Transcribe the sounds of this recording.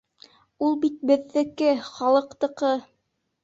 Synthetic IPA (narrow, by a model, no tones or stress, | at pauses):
ulˠbit̪̚bɘ̆ðːɘ̆kɘχɑlˠɤ̆qt̪ɤ̆qɤ